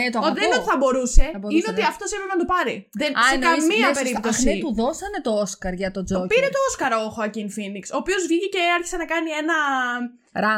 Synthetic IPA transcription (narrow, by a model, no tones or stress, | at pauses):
et̪oot̪iðenot̪iθɐbo̞ɾuse̞ineot̪iɐft̪osimemɐd̪opɐɾiðensekɐmiɐspeɾip̚t̪ossiet̪uðosɐne̞t̪ooskɐɾʝɐt̪o̞d͡zopiɾe̞t̪o̞oskɐɾoxoɐcinfinikso̞ːpio̞zvʝiceceɐɾçi̥se̞nɐkɐnie̞nɐ | ɾɐ